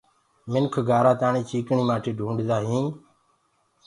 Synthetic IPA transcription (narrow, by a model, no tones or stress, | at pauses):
mɪnkʰɡʱaːɾaːt̪aːɳĩːt͡ʃiːkɳiːmãːʈʰiːɖʱũːɳɖzaːɦĩː